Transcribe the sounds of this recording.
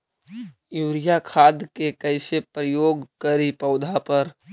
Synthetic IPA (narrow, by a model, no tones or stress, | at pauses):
juːɾɪjakʰaːd̪kekəɪsepɾəjoːɡkəɾipəʊd̪ʱapəɾ